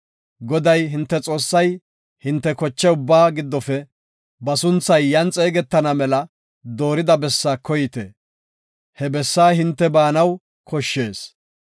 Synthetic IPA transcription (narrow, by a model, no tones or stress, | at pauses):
ɡɔd̪ɐjɦɪnt̪ːɛt͡sʼo̞ːsːɐj | hɪnt̪ːɛkɔt͡ʃːɛʊbːaːɡɪd̪ːɔfɛ | bɐsʊnt͡sːɐjːɐnt͡sʼeːɡɛt̪ːɐnɐmɛlɐ | d̪o̞ːɾɪd̪ɐbɛsːaːkɔjɪt̪ḛ | hɛbɛsːaːɦɪnt̪ːɛbaːnɐw | kɔʃːe̞ːs